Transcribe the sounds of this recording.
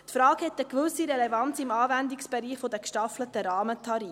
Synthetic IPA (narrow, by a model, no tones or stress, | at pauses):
tfɾɑːkhɛt̪əkvɵsiɾɛlɛvɑnt͡sɪmɑːvænd̪ɪksb̥ɛɾiːχfod̪əkʃtɑflətəɾɑːmətʰɑɾi